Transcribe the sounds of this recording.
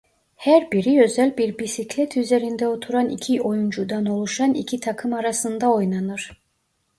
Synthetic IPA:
hæɾbiɾiø̞zælʲbiɾbisiclʲɛt̪ʰyze̞ɾind̪ɛot̪ʰuɾanḭcʰio̞jund͡ʒud̪ano̞lˠuʃanḭcʰit̪ʰakʰɯmaɾasɯnd̪ao̞jnanɯɾ̥

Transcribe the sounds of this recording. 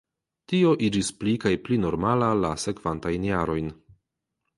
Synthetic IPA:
tio̞ʔid͡ʒisplikajplino̞ɾmalala̰se̞kv̥antajnjaɾo̞jn

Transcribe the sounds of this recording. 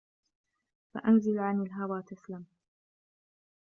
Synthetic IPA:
fa̰ʔanzɪlʕanalɦawaːt̪aslam

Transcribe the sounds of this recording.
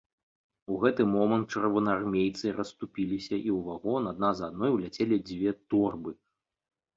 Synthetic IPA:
uɣɛt̪ɨmɔmɐnt̪̚t͡ʂɐrvɐnarmʲejt̪sɨɾɐst̪upʲilʲisʲɐʔiwvaɣɔnad̪nazad̪̚nɔjwlʲat͡sʲelʲid͡zʲvʲɛt̪ɔrbɨ

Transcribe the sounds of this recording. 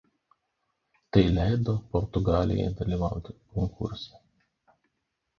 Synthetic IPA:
t̪ɐɪlʲæˑɪd̪oːpɔɾt̪ʊɡɑːlʲɪ̰jɛ̰jd̪ɐlʲiːʋɑ̰ˑʊt̪ʲɪ̥kɔŋkʰʊ̰ɾʲsʲɛ

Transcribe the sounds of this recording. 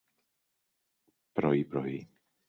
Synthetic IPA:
pɾɔ̰jipɾɔ̰ɦi

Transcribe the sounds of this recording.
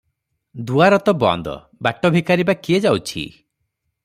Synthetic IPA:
d̪uaɾɔt̪ɔbɔ̰nd̪ɔ̰ | baʈɔbʱikaɾibakied͡ʒawt͡ʃʰḭ

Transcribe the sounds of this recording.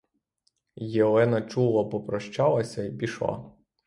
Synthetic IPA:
jelˠɛnɐt͡ʃulˠɐbɔpɾɔʃt͡ʃɑlˠɐsʲɐibʲiʃlˠɑ̰

